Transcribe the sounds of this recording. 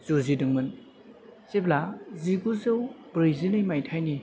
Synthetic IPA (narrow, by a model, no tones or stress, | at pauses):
zozidɯŋmɯn | seblaziɡuzɯwbɾizinɯjmajtʰajni